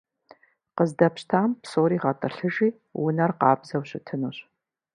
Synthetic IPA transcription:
qəzdɐpɕtʰaːmpsoːɾiːʁɐtʼɨɬɨʒiː | wʊnɐrqɑ̰ːbzɐwɕɪtʰɨnuːɕ

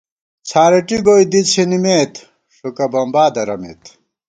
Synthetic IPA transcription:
t͡sʰaːɾɐʈiɡojd̪it͡sʰinimeːt̪ | ʂukɐbɐmbaːd̪ɐɾɐmḛːt̪

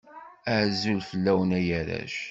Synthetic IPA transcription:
əʕzulfəlːæwənæjæɾæ̰ʃ

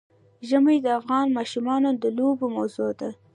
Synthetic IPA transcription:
ʒəməjd̪əafɣɑnmɑʃumɑnod̪əlobomawzod̪a

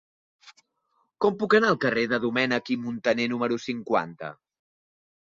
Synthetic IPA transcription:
kɔmpukənaəlˠkəreðəðumɛnəkimunt̪ənenuməɾusiŋkwa̰nt̪ə̰

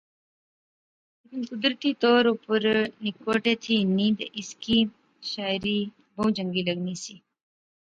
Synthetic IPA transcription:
leːkɪnkʊd̪ɾət̪iːt̪oːɾupəɾnɪkoːʈet̪ʰiːnĩːd̪ɪskiː | ʃaːɪɾiː | bəũd͡ʒəŋɡiːləɡnisiː

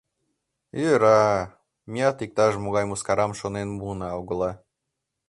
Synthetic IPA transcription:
eɾɑ | mʲiɑt̪ik̚t̪ɑʒmoɣɑjmuskɑɾɑmʃonenbunɑuɡɤ̆lˠɑ

